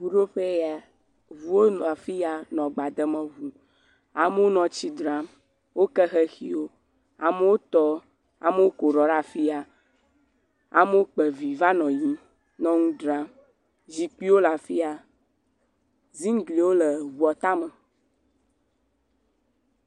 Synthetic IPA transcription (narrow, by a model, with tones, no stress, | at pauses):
vu˨ɖo˦ɸe˦ja˨ | vu˨wo˦nũ˨a˨fi˦a˨nɔ̃˨ɡ͡ba˨d̪ə˨mə̃˨vu˨ | a˨mə˦wo˦nɔ̃˨t͡ɕi˦d̪ɾa˦m | wo˦kɛ˦xɛ˦xḭ˦wo˦ | a˨mə˦wo˦t̪ɔ˦ | a̰˨mə˦wo˦ko˨ɾɔ˨ɖa˦fi˦a˨ | a̰˨mə˦wo˦k͡pɛ˨vi˨va˦nɔ̃˨ji˦ | nɔ̃˦ŋũ˦dɾa˦m | zi˨k͡pi˦wo˦la˨fi˦a˨ | zi˦ŋ˦ɡli˨wo˦lə˨vu˨ɔ˨t̪a˦mə̃˨